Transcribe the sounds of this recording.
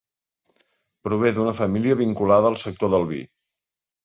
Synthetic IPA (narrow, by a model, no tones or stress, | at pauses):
pɾuβ̞eðunəfəmiliəβiŋkulaðəːlˠsək̚t̪oðəlˠβḭ